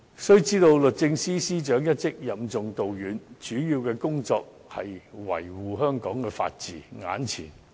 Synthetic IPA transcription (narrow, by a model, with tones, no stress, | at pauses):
sɵ˥ɥt͡siː˥t̪o˧wlɵ˨t̚t͡sɪ˧ŋsiː˥siː˥t͡ʃœː˨˥ŋjɐ˥t̚t͡sɪ˥k̚jɐ˨mt͡sʊ˨ŋt̪o˨wjyː˨˥nt͡ʃyː˨˥jiː˧wkɛː˧kʊ˥ŋt͡sɔː˧k̚ | hɐ̰˨jwɐ̰˨˩jwuː˨˩ɦœː˥ŋkɔː˨˥ŋkɛː˧fa̰ː˧t̚t͡siː˨ŋa̰ː˨˥nt͡sʰiː˨˩n